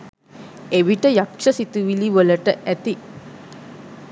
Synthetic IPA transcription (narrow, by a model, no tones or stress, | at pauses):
eʋiʈəjakʂəsit̪uʋiliʋələʈəʔæt̪i